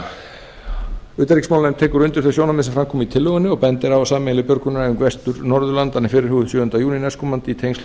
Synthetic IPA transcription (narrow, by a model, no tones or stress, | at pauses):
ʏːt̪aɾiksmawlnɛmt̪ʰɛːkʏɾʏnt̪ʏɾ̥θɛsjoːwnamɪðsɛmfɾamkʰɔːmɪit̪ʰɪlːœɣʏnːɪɔɣpɛnt̪ɪɾawvasaːmɛlɪpjœɾkʏnaʏmkvɛst̪ʏɾnɔɾðʏlant̪anːɪfɪːɾɪɾ̥huːɣðʏsjʏːðʏnt̪ajuːninɛskɔmant̪it̪ʰejnsl